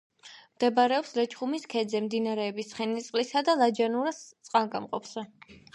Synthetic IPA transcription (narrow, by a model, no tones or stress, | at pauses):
md̪ɛbaɾɛɔpslɛt͡ʃʰʼχumiskʰɛd̪zɛmd̪inaɾɛːbist̪χɛnit̪sʼqʼlisad̪alˠad͡ʒanuɾast̪sʼqʼanɡʼamqʼɔpʰsa